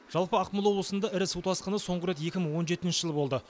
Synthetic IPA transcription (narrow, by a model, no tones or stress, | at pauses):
ʒ̥ɑlˠpəɑqməlˠwo̞bləsənd̪ɑɪɾɪsuwt̪ɑsqənəso̞ɴʁəɾe̞t̪je̞kʲɪməɴwo̞nʒe̞t̪ɪnʃəʒəlˠəbo̞lˠd̪ə